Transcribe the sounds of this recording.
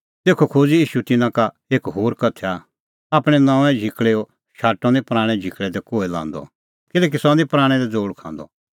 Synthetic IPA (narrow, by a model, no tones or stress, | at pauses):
t̪eːkʰokʰoːd͡ziiːʃut̪ɪnãka | eːkɦoːɾkɐt̪ʰːa | aːpɽ̃ɛ̃nãːɛ̃d͡ʒʱɪkɭeɔ | ʃaːʈːɔ̃d̪ipɾaːɽ̃ɛ̃d͡ʒʱɪkɭɛd̪ɛkoːelã̰ːnd̪ɔ̰ | kɪlɛːk̬isɔ̃d̪ipɾaːɽ̃ɛd̪ɛd͡zoːɽkʰã̰ːnd̪ɔ̰